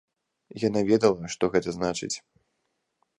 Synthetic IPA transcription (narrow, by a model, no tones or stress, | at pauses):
janavʲɛd̪ɐlˠɐʂt̪ɔɣɛt̪ɐznat͡ʂɨ̰t͡sʲ